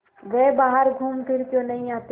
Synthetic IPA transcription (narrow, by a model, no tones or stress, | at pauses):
ɡɛebaːɦəɾɡʱuːmpʰɪɾkjõnəɦĩaːt̪e